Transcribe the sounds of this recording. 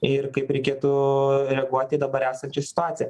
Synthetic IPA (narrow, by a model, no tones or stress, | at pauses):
ɪrkɐɪpɾʲɛɪkʲeːt̪ʊɾʲɛɡuɔt̪ʲiːd̪ɐbɐɾæːsɐnʲt͡ʃʲɛsʲɪ̥t̪ʊaːt̪sʲɪjɛ